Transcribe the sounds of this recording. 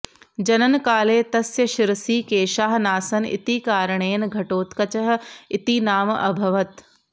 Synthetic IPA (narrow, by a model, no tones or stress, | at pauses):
d͡ʑɐnənkaːleːt̪ɐsjɐʃɪɾsiːkeːʃaːɦnaːsɐn̆ɪ̰t̪iːkaːɾɽ̃eːnɪ̆ɡʱɐʈoːt̪kɐt͡ɕɐɦ̆ɪt̪iːnaːmɐbʱɐʋət̪